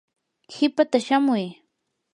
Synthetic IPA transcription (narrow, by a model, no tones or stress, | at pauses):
hɪpat̪aʃamʊj